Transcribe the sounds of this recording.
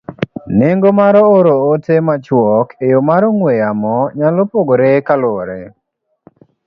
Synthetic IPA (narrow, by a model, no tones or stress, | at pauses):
neŋɡomaɾɔoɾootemat͡ʃwɔkejomaɾɔŋwejamɔɲalopoɡoɾekaloɾe